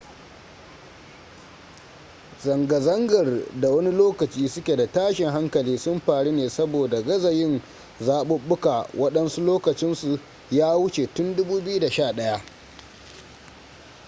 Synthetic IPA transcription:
zɐ˨ŋɡɐ˨zɐ˦ŋɡɐ˨rda˨wɐ˦ni˦loː˦kɐ˨t͡ʃiː˦sʊ˦kʲe˨da˨taː˦ʃɪ˨ŋɦa˦ŋkɐ˨liː˦sʊ˦mɸaː˨ɽi˦neː˨sɐ˦boː˨da˨ɡɐ˦zɐ˨jɪ˦n | zaː˦ɓʊ˦ɓːʊ˦ka˨wɐ˦ɗɐ˦nsu˦loː˦kɐ˨t͡ʃɪ˦nsu˨ | jaː˦wʊ˦t͡ʃe˨tʊ˦ndʊ˦buː˦bɪ˦ju˦da˨ʃaː˦˨ɗɐ˦ja˦ʔ

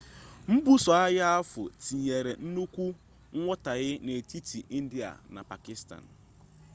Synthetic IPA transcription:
m̩˦bu˦sɔ˨a˦ɣa˦a˦fʊ̰˨ti˨ɲe˨ɾe˨n̩˦nu˦kʷu˦ | ŋ̩˦ŋʷɔ˦ta˨ɣɪ˦ne˨ti˦tʰi˨ʔi˦n̩˦di˨a̰˨na̰˨pa˨kɪ˦sta̰˨n

